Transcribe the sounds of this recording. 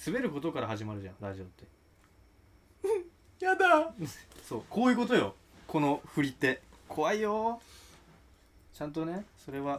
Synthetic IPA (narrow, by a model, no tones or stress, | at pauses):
sɨbe̞ɾɯ̟ko̞t̪o̞kaɾahaʑimaɾɯ̟ʑã̰ɾaʑoːɯt̪ːe̞ | jad̪a | so̞ːko̞ːjɯ̟ːko̞t̪o̞jo̞̰ | ko̞no̞ɸɯ̟ɾʲit̪ːe̞kʰo̞βaijo̞ | t͡ɕãnt̪o̞ne̞so̞ɾe̞βa